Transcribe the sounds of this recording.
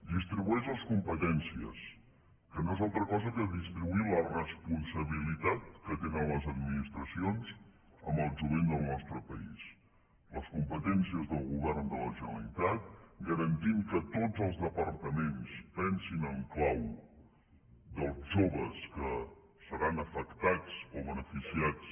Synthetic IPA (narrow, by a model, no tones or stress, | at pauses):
d̪ist̪ɾiβuɛʃləskumpət̪ɛnsiə̰s | kənoezalˠt̪ɾəkɔzəkəðist̪ɾiβuilərəspunsəβilit̪at̪̚kət̪enənləzəd̪minist̪ɾəsionz | əmbəlˠʒuβend̪əlˠnɔst̪ɾəpəis | ləskumpət̪ɛnsiəzðəlˠɣuβɛrnd̪ələʒənəlit̪at̪̚ɡəɾənt̪iŋkət̪od͡zəlˠzðəpəɾt̪əmenspɛnsinəŋklaw | d̪əlˠzʒoβəskə | səɾanəfəkt̪at͡soβənəfisiat͡s